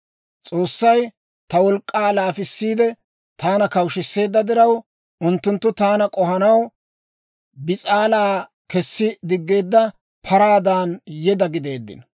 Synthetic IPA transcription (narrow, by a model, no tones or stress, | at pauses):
t͡sʼo̞ːsːɐj | t̪ɐwɔlkʼːaːlaːfɪsːiːd̪ɛ | t̪ʰaːnɐkɐwʃɪsːe̞ːd̪ːɐd̪ɪɾɐw | ʔʊnt̪ːʊnt̪ːʊt̪aːnɐkʼɔhɐnɐw | bɪt͡sʼaːlaː | kɛsːɪd̪ɪɡːe̞ːd̪ːɐ | pʰɐɾaːd̪aːnjɛd̪ɐɡɪd̪e̞ːd̪ːɪ̰n